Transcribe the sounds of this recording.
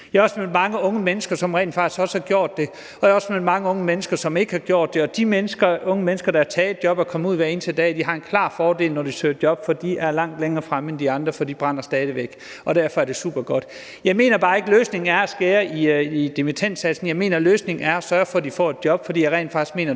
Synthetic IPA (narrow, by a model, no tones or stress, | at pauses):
jɑɒsmelmɑ̈ŋəɔ̽ŋəmenəsɡ̥ɐsɒ̽mʁɛ̰ɪn̥fɑ̈ɡ̥i̥sɡ̥ɒ̽shɑ̈ɡ̥jo̝ɐ̰d̥ːe̝ | ɒ̽jaɒ̽smel̩mɑ̈ŋəɔ̽ŋəmenəsɡ̥ɐsɒ̽me̝ɡ̥əhɑ̈ɡ̥jo̝ɐ̰d̥ːe̝ɒ̽d̥imenəsɡ̥ɐɔ̽ŋəmenəsɡ̥ɐɾ̥ɑ̈æɐt͡sʰɛːed̥d̥jɒ̽b̥ɒkʰɒ̽məuð̞̰ˠʋæɐe̝nt͡sʰeld̥ɛ̰ːd̥iɦɑ̈e̝nkʰlɑ̰̈ːfɒːd̥e̝lnɒd̥isøːɐ̥d̥jɒ̽b̥fɒd̥iʔæɐlɑ̈ŋ̰d̥leŋɐːfʁaməend̥iɑ̈nd̥ʁɐfɒd̥ib̥ʁɑn̰ɐsd̥ɛːð̞ˠəʋeɡ̥ | ɒ̽ɾ̥æɐ̰fɒ̽æɐd̥e̝sṵːb̥ɐɡ̥ɒd̥ | jɑ̈ɪme̝̰ːnɐb̥ɑ̈ːe̝ɡ̥əløːsne̝ŋ̩æɐæsɡ̥eːɐiid̥e̝mit͡sʰen̰d̥sæ̥sn̩jɑ̈ɪme̝̰ːnɐløːsne̝ŋ̩æɐæsɶːɐfɒ̽d̥ifɒ̰ːe̝d̥̚jɒ̽b̥fɒd̥ḭːjɑɪʁɛ̰ːnfɑ̈ɡ̥isɡ̥me̝̰ːnɐ